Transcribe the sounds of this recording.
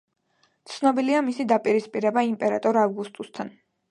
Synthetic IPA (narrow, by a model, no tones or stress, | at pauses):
t̪sʰnɔbiliamisid̪apʼiɾispʼiɾɛbaimpʼɛɾa̰t̪ʼɔɾavɡust̪ʼust̪ʰan